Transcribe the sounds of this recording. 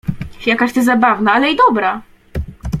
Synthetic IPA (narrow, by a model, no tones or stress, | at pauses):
fjakaɕt̪ɛzabavnaalɛid̪ɔbɾa